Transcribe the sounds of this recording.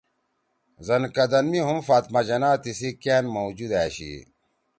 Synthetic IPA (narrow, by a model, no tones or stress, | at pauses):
zɐnkɐd̪ɐnmiɦumfaːt̪mad͡ʑɐnaːt̪isikaːnmowd͡ʑud̪aːɕḭ